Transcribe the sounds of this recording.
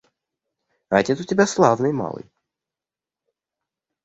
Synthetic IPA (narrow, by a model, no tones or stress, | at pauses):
atʲɛsʊtʲɪbʲaslˠavnɨjma̰lˠɨ̰j